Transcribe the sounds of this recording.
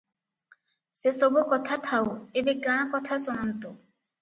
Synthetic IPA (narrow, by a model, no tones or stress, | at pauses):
sesobokɔt̪ʰat̪ʰaoebeɡãakɔt̪ʰasɔnant̪o